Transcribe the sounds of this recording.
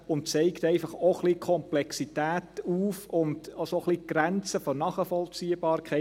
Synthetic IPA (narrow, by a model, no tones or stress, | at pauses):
ʊnt̚t͡sɛɪkt̪ɛɪfɑχoχlikʰɔmplɛksitæːtuːfʊndosoχliɡ̥ɾænt͡səfɔnɑːχəfɔlt͡siːəb̥ɑːɾkʰɛɪ